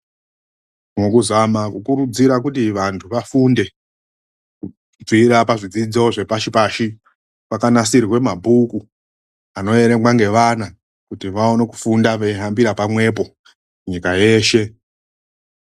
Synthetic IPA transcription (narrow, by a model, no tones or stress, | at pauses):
mokuzamakukuɾud͡ziɾakutiʋantʰuʋafunde̞ | ku | d͡ziɾapaʐid͡zid͡zo̞ʐe̞paʃipaʃi | pakanasirirwe̞mabʱuku | ano̞e̞ɾe̞mɡwaŋɡe̞ʋana | kutiʋaono̞ku̥fundaʋeiɦambiɾapamwe̞p̬o̞ | muɲikaje̞ːʃe̞